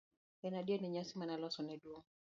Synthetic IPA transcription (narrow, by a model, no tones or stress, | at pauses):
ɛnadjenɛɲasimanalɔsɔnɛdwoŋ